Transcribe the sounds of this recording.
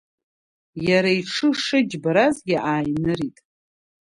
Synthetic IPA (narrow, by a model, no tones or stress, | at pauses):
jaɾaiʈ͡ʂʰɨʂɨd͡ʒbaɾazɡʲɪʔaːjnɨɾitʼ